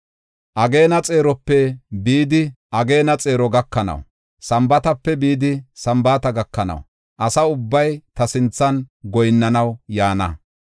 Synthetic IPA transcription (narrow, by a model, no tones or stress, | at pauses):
ʔɐɡe̞ːnɐt͡sʼe̞ːɾɔpːɛbiːd̪ɪʔɐɡe̞ːnɐt͡sʼe̞ːɾɔɡɐkːɐnɐ̰w | sɐmbɐt̪ɐpːɛbiːd̪ɪsɐmbaːt̪ɐɡɐkːɐnɐ̰w | ʔɐsɐʊbːɐjt̪ɐsɪnt͡sːɐnɡɔjɪnːɐnɐwjaːnɐ̰